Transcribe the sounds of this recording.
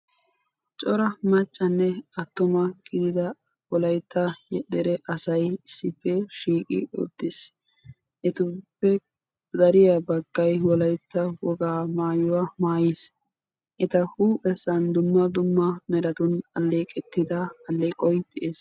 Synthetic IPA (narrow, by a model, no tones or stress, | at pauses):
t͡ʃʼɔɾɐmɐt͡ʃʼːɐnːɛɐt̪ːʊmɐɡ̥ɪd̪ɪd̪ɐ | wɔlɐjt̪ʰːɐjɛd̪ɛɾɛʔɐsɐjɪsːɪpːɛʃiːkʼɪ̰ɔ̰d̪̥ːɪs | ʔɛt̪ʊpːɛ | d̪ɐɾɪjɐbɐɡ̥ːɐjwɔlɐjt̪ːɐwɔɡaːmaːjʊwaːmaːjes | ʔɪt̪ɐhuːɛsɐnd̪ʊmːɐd̪ʊmːɐmɛɾɐt̪ʊnɐlːeːkʼɛt̪ːɪd̪ɐɐlːeːkʼɔjd̪ɪʔeːs